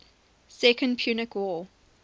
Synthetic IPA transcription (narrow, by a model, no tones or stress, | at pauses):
sɛkə̃npʰj̥unɪkʰwɔ